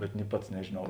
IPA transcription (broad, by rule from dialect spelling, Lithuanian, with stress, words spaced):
bʲɛt nʲɪ ˈpɐts nʲɛʒʲeːˈnɐʊ